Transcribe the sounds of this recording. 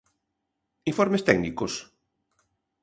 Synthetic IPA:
iɱfɔɾmest̪ɛɡnikos

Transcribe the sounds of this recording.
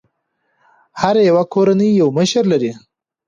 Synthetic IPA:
haɾjawakʰoɾanəjːawməʃəɾlaɾi

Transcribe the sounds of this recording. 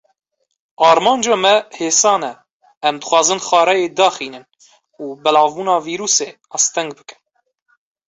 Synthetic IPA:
ɑːɾmɑːnd͡ʒɑːmɛheːsɑːnɛ | ɛmd̪ɨxʷwɑːzɨnxɑːɾɛjeːd̪ɑːxiːnɨn | uːbɛlɑːvbuːnɑːviːɾuːseːnɑːst̪ɛŋɡ̚bɨ̥kɨ̥n

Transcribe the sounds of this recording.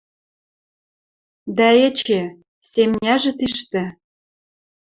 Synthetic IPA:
d̪æĕt͡ɕe | semnʲæʒĕt̪iʃt̪ĕ

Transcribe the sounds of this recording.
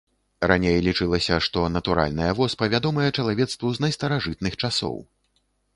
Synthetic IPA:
ranʲejlʲit͡ʂɨlˠɐsʲɐʂt̪ɔnɐt̪uɾa̰lʲnɐjɐvɔspɐvʲad̪ɔmɐjɛt͡ʂɐlˠavʲɛt̪st̪vuznɐjst̪ɐɾaʐɨt̪̚nɨxt͡ʂasɔ̰w

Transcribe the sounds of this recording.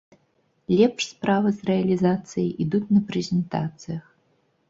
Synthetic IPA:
lʲɛpʂspɾavɨzrɛɐlʲizat̪sɨjiʔid̪ut͡sʲnɐpɾɛzʲɛnt̪a̰t̪sɨjɐx

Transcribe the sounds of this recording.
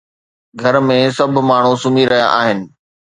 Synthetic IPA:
ɡʱɐɾmẽsɐb̆ʱmaːɳ̤ũsʊmiɾɐɦija̰ʔaːɦɪnɪ̆

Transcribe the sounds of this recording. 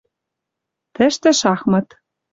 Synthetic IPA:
t̪ɘ̆ʃt̪ɘ̆ʃɑxmɤ̆t̪

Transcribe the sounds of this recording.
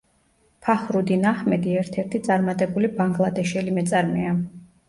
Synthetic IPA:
pʰaχɾud̪inaχmɛd̪iɛɾt̪ʰɛɾt̪ʰit̪sʼaɾmat̪ʼɛbulibaŋɡlˠad̪ɛʃɛlimɛt̪sʼaɾmɛa

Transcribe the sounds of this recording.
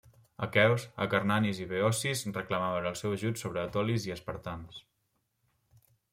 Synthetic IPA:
əkɛwsə̰kəɾnaniziβeɔsizrəkləmaβənəlˠsɛwəʒutsoβɾəːt̪ɔliziəspəɾt̪ans

